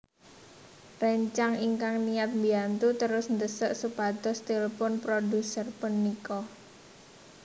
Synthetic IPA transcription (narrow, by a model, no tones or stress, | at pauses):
rəɲt͡ʃaŋiŋkaŋnijat̪̚mbiant̪ut̪əɾʊsnd̪əsəʔsupat̪ɔst̪eləpɔnpɾodusərpənikɔ